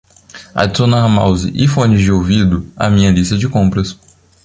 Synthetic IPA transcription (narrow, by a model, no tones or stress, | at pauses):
a̰d͡ʒsõnɐɐma̰wzḭʔifõnɪzd͡ʒɪowvid̪ʊɐ̰mĩɲɐlist̪ɐd͡ʒɪkõmpɾɐs